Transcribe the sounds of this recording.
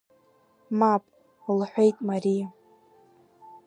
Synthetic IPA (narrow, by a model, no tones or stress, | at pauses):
mapʼ | lħʷejtʼmaɾija